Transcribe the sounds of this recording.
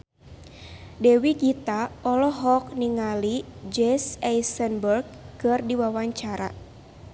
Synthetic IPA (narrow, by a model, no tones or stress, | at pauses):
dɛwiɡit̪aɔlɔɦɔk̚niŋalid͡ʒɛsɛjsənbərɡ̚kɨrdiwawaɲt͡ʃaɾa̰